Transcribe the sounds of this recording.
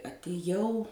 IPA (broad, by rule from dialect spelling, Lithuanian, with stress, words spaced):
ɐtʲɪˈjɛʊ